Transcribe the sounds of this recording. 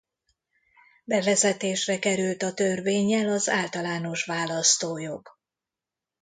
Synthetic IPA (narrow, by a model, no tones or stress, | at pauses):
bɛvɛzɛt̪eːʃrɛkɛɾylt̪ɒt̪ørveːɲːɛlɒzaːlt̪ɒlaːno̞ʃʋaːlɒst̪oːjo̞ɡ